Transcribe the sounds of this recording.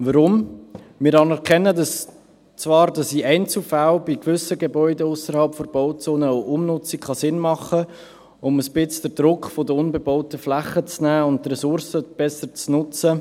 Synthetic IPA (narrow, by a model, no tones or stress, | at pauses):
ʋəɾʊm | mɪːɾɑnɛɾkʰɛnːədɑs | t͡svɑːɾdɑsiɛɪnt͡sl̩falb̥ikʋʏsəɡebɔʏdəʊsəɾhɑlpfoɾb̥ɔʊt͡soːnəʔʊmnʊt͡sikχɑsɪnmɑχə | ʊməsbɪt͡sd̥əɾdɾʊkχfodəʊnbɛbɔʊtəflæχːət͡snæːʊnttːɾɛsʊɾsəb̥ɛsəɾt͡snʊt͡sə